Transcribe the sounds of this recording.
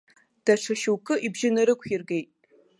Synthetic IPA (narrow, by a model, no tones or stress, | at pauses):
d̥ɐʈ͡ʂʰɐʃɨwkʰɨʔibʒɪnɐɾɨkʷʰjɪrɡejtʼ